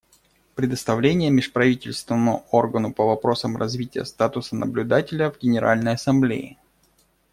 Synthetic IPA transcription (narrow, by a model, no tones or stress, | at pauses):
pɾʲɪd̪əst̪ɐvlʲenʲɪjəmʲɪʂpɾɐvʲitʲɪlʲst̪vʲɪnəmʊ̰o̞rɡənʊpəvɐpɾo̞səmrɐzvʲitʲɪjə̰st̪at̪ʊsənʔə̰blʲʉd̪atʲɪlʲəvɡʲɪnʲɪɾa̰lʲnəjɐsɐmblʲḛɪ̰